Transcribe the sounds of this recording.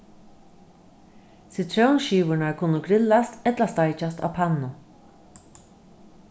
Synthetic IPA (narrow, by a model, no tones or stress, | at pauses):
sit̪ʰɾownʃiːʋʊɹɳaɹkʰʊnːʊɡɾɪlast̪ɛt̪last̪ajt͡ʃast̪a̰wpʰanːʊ